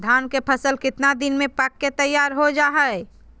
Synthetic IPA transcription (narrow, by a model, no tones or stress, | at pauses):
d̪ʱaːnkepʰəsəlkɪt̪nad̪ɪnmẽpəkːet̪əjːaːɾɦod͡ʒaːɦəɛ